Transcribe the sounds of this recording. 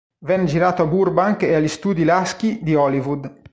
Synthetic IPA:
vɛnːed͡ʒiɾaːt̪oaburbaŋkeaʎːist̪uːd̪ilask̟id̪iɔlivud̪

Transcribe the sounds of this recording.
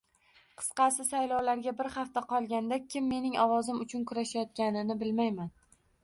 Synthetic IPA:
qʰɨ̥sqɑsɪsajlɒwlaɾɡʲabɪɾχaft̪aqʰɒlˠɡʲand̪akʲʰɪmːe̞nɪŋɒwɒzɪmʊt͡ʃʰʊnkʰʊɾaʃajɒt̪̚kʲanɪnɪbɪlmajman

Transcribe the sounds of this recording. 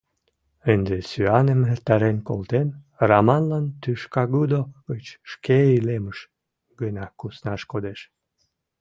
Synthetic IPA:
ənd̪esyɑnəmert̪ɑɾenko̰lt̪en | rɑmɑnlɑnt̪yʃkɑɣud̪oɡət͡ɕʃkeileməʃ | ɡənɑkusnɑʃkod̪eʃ

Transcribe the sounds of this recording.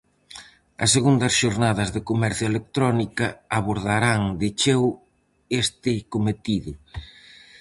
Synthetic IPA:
ɐ̰sːeɣund̪ɐsʃoɾnaðɐzðɪkomɛɾθjoelek̚t̪ɾɔnikɐaβoɾðaɾaŋd̪ɪt͡ʃew | est̪ɪkomet̪iðʊ

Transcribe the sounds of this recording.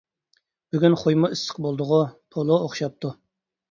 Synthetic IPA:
b̥yɡʲynχojmʊisə̥q̚bolˠd̪ʊʁʊpʰolˠooχʃɑp̚t̪ʰu

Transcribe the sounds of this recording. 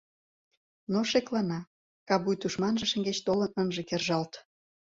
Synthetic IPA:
noʃeklɑnɑ | kɑβujt̪uʃmɑnʒə̆ʃə̆ŋɡet͡ɕt̪olənənʒĕkerʒɑlt̪

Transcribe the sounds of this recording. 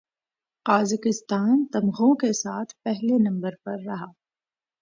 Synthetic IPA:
qaːzɪkɪst̪aːnt̪ɐmɣõkesaːt̪ʰpɛɦlenɐ̃mbəɾpɐɾːɐɦaː

